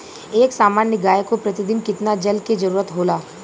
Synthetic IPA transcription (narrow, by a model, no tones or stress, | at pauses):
eːksaːmaːnːəɡaːjkopɾɐt̪ɪd̪ɪnkɪt̪nad͡ʒɐlked͡ʒɐɾuːɾət̪ɦoːlaː